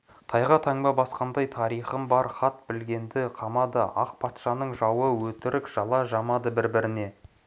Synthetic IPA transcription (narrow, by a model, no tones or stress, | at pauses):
t̪ʰɑjʁɑt̪ʰɑɴbɑbɑsqɑnd̪ɑjt̪ʰɑɾijχəmbɑɾχɑt̪bɪlɡʲe̞nd̪ɪqʰɑmɑd̪ə̰ɑq̚pʰɑt̪ʃɑnəɴʒɑwəwɵt̪ɪɾɪkʒ̥ɑlˠɑʒɑmɑd̪əbɪɾbɪɾɪne̞